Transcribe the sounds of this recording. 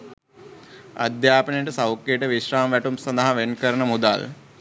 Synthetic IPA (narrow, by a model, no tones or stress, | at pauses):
ɐ̰d̪jaːpəɳiʈəsɐwkːeʈəʋiʃɾaːmʋæʈumsɐnd̪ɐɦɐʋenkəɾəɳəmud̪a̰l